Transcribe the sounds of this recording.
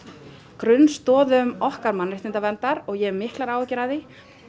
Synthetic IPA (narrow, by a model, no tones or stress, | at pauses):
kɾʏnst̪ɔːðʏʏmɔhkaɾmanːɾɪht̪ɪnt̪avɛnt̪aɾɔɣjɛɾmɪhklaɾaːwɛcɪɾaðɪ